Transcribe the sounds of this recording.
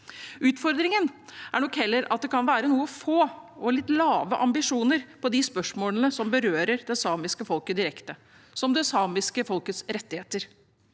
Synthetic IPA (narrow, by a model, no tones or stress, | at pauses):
ʉːt̪fɔɾd̪ɾɪŋənæɳɔkhɛlːəɾɑ̰t̪̚d̪ɛkʰɑnʋæːɾənuːəfoːɔlɪt̪ːlɑːʋəʔɑmbɪʂuːnəɾpɔd̪ɪspœʂmoːlənəsɔmbəɾøːɾəɾd̪ɛsɑːmɪskəfɔlkəd̪ɪɾɛkt̪ə | sɔmd̪ɛsɑːmɪskəfɔlkət̪sɾɛt̪ːɪheːt̪əɾ